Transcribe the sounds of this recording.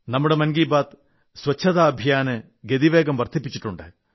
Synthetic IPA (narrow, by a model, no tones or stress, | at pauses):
nɐmːuɽemɐnɡiːbaːt̪ | sʋɐt͡ɕʰːɐðaːɐbʱjaːnɨ | ɡed̪iʋe̞ːɡɐmʋɐrt̪ʰipːit͡ɕːi̥ʈːuɳɖɨ̰